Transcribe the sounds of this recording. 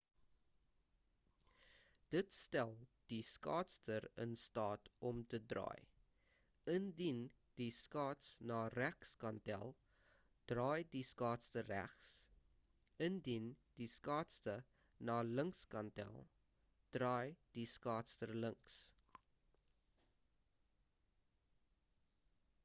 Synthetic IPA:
d̥ətstælˠd̥iskɑ̰ːtstərə̰nstɑːtɔmtədrɑ̰ːj | əndin | d̥iskɑːtsnɑːræχskɐntæ̰lˠ | d̥rɑːjdiskɑːtstəræ̰χs | əndind̥iskɑːtstə | nɑːləŋkskɐntæ̰lˠ | d̥rɑːjd̥iskɑːtstərləŋks

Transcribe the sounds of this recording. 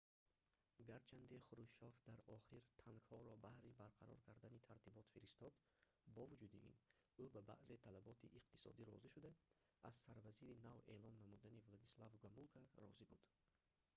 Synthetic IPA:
ɡaɾt͡ʃʰand̪eχuɾud͡ʒʃɔfd̪aɾɔχiɾt̪ʰaŋɡhɔɾɔbahɾibaɾqʰaɾɔ̰ɾkʰaɾd̪anit̪ʰaɾt̪ibɔt̪fiɾist̪ɔd̪ | bɔvud͡ʒud̪iʔḭnubaba̰ʔze̞t̪ʰalabɔt̪ʰiʔːqt̪ʰi̥sɔ̰d̪iɾɔziʃud̪a | a̰z̥saɾvaziɾinave̞lɔnːamud̪anivlad̪islavɡamulˠkʰaɾɔ̰zibud̪̥

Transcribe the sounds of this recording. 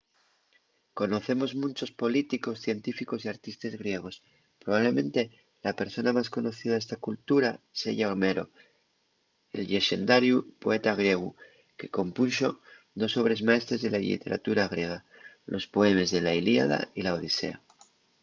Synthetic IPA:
ko̞no̞θe̞mo̞zmũnʲt͡ʃo̞spo̞lit̪iko̞sθje̞nt̪ifiko̞siaɾt̪ist̪ezɣɾje̞ɣ̞o̞s | pɾoβaβle̞mẽ̞nt̪e̞ | lape̞ɾso̞namasko̞no̞θiðaðe̞st̪akult̪uɾasḛʝaoɾme̞ɾo̞̰ | e̞̰lʎe̞ʃe̞nd̪aɾjupo̞e̞t̪aɣ̞ɾje̞ɣ̞u | ke̞ko̞mpunso̞ | d̪o̞so̞βɾe̞zmae̞st̪ɾe̞zðe̞lalḭt̪e̞ɾa̰t̪uɾaɣ̞ɾje̞ɣ̞a | lʔo̞spo̞e̞me̞zðe̞lailia̰ða̰ilaoð̞ise̞̰a

